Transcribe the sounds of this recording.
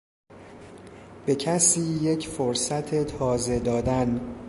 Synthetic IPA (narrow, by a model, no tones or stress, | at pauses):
b̥e̞cʰæsiːje̞cʰfoɾsæt̪ʰe̞t̪ʰɒːze̞d̪ɒːd̪æn